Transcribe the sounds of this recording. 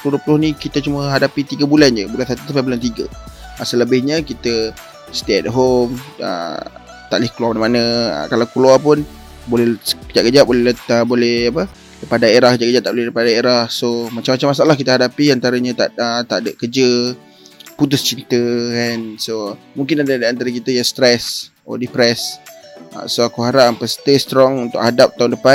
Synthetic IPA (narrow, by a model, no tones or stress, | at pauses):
t̪udupulʊhnikit̪ət͡ʃuməɦadapit̪iɡəbuland͡ʒəbulansat̪ut̪apabulant̪̬iɡəəsələbɪhɲəkit̪ə | st̪eɛt̚ɦomə̰ | t̪a̰ʔlɪhkluamanamanə̃ə̰kalawkluapʊn | bolɛkəd͡ʒaʔkəd͡ʒaʔbolɛlət̪əbolɛhapə | dəpadaeɾakəd͡ʒaʔkəd͡ʒaʔt̪aʔbolɛdipadaeɾahsomat͡ʃamat͡ʃamːas̬aalahkit̪əɦadapiant̪aɾəɲət̪aət̪a̰ʔdəkəd͡ʒə | put̪ʊst͡ʃint̪əɛnso | mũŋkɪnadədiant̪aɾəkit̪əjast̪ɾɛs | ɔ̰dipɾɛs | a̰soakuɦaɾaʔmpəst̪est̪ɾɔŋunt̪ʊ̰khadap̚t̪aʊndəpan